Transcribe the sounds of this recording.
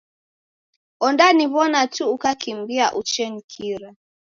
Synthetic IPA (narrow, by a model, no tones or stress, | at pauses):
ɔndaniβɔnatuːkakimbiaʔut͡ʃɛnikʰiɾa